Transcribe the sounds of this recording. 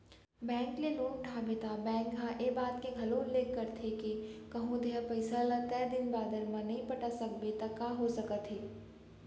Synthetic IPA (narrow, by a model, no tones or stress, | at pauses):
bɛ̃ːŋkleluːnʈʰaːbet̪abɛ̃ːŋkɦãʔeːbaːt̪keɡʱɐloːnleːkːəɾt̪ʰekekɐɦũd̪eɦapɐɪsalãt̪ɛːd̪ɪnbaːd̪əɾmãnɐɦĩpɐʈasɐk̚bet̪ɐkːaːɦosɐkət̪ɦeː